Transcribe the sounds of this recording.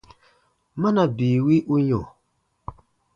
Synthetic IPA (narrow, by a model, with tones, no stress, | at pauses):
ma˦na˨bi˨wi˦ʔu˦ɲo˨